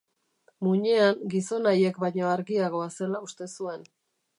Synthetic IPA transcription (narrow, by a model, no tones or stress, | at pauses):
muɲe̞aŋɡiso̞naje̞kbajɲo̞aɾɣiaɣ̞o̞ase̞laust̪e̞sue̞n